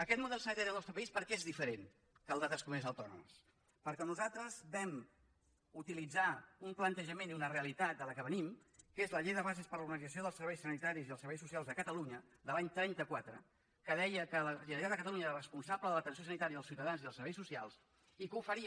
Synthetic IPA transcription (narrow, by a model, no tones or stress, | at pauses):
əkɛt̪muðɛlˠsənit̪aɾiðəlˠnɔst̪ɾəpəispəɾkɛezðifəɾen | kəlˠd̪aðəskumezəwt̪ɔnṵmə̰s | pəɾkɛnuzalˠt̪ɾəzbɛm | ut̪ilid͡zaumplənt̪əʒəmeniunəreəlit̪at̪̚d̪ələkəβ̞ənimkezləʎejðəβazespəɾluɾɣənid͡zəsioðəlˠsəɾβɛjsənit̪aɾiziðəlˠsəɾβɛjs̬usialˠzðəkət̪əluɲə | d̪əlaɲt̪ɾɛnt̪əkwat̪ɾə̰ | kəðɛjəkələiɾat̪əkət̪əluɲəeɾərəspunsabləðələt̪əns̬josənit̪aɾiðəlˠsiwt̪əðanziðəlˠsəɾβɛjsusialˠs | ikufəɾiə